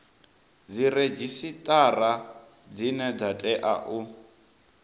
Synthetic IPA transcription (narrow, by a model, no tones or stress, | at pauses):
d͡ziɾed͡ʒisitʼara | d͡zinɛd͡zatʼɛʔa̰ʔu